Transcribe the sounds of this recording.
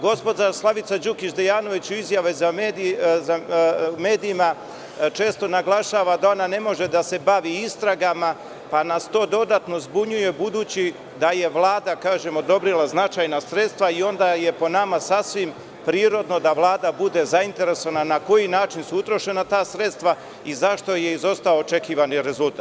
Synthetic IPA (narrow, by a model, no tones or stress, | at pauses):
ɡo̞spo̞d͡ʒaslˠaʋit̪sad͡ʒukit͡ʃd̪ejaːno̞ʋit͡ɕuizjaʋezameːd̪izame̞ːd̪iːma | t͡ʃe̞ːst̪o̞naɡlˠaʃaːʋad̪ao̞nane̞mo̞ʒe̞d̪ase̞baʋiist̪ɾaɡama | panast̪o̞ːd̪o̞d̪at̪no̞zbuɲuje̞bud̪uːt͡ɕi | d̪aje̞ʋlˠaːd̪akaːʒe̞mo̞d̪o̞bɾilˠaznat͡ʃajnasɾe̞t̪st̪ʋaio̞nd̪aje̞po̞namasasʋim | pɾiːɾo̞d̪no̞d̪aʋlˠaːd̪abud̪e̞zaint̪e̞ɾe̞soananako̞jinaːt͡ʃinsuut̪ɾo̞ʃe̞nat̪aːsɾe̞t̪st̪ʋa | izaʃt̪o̞je̞izo̞st̪aoːt͡ʃe̞kiːʋaniɾe̞zulˠt̪aːt̪